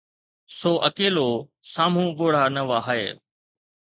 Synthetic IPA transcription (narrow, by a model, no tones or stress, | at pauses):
soːʔəkeːloːsaːm̤ũːɡoːɽ̤aːnəʋaːɦaḛː